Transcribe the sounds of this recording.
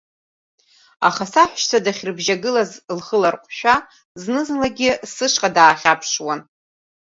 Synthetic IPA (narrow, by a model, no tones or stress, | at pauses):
aχasaħʷᶣʃt͡sʰadaχʲrbʒaɡɨlazlχəlarqʷʼʃᶣa | znɨzlaɡʲɪsɨʂqʼadaːχʲapʰʂwan